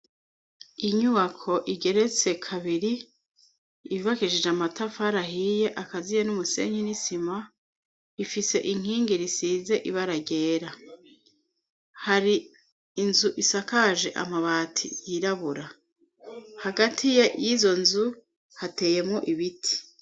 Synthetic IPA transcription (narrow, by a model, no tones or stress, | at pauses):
iɲuβakʰo̞ʔiɡe̞ɾe̞t͡se̞kʰaβiɾi | βiβakiʒid͡ʒamatafaɾaɦije̞ʔakazijenumuse̞̰ɲinisima | ifise̞̰ʔiŋ̥hiːŋɡiɾisize̞ʔiβaɾaɟe̞ːɾa | haɾiː | nzuʔisakaʒe̞ʔa̰maβatʰḭjiɾaβuɾa | haɡatʰijajizo̞nzu | hate̞ːje̞mŋo̞ʔiβitʰi̥